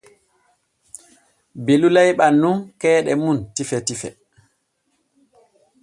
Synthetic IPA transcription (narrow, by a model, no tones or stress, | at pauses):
belulajɓanːunkɛːɗɛmuntifɛtifɛ̰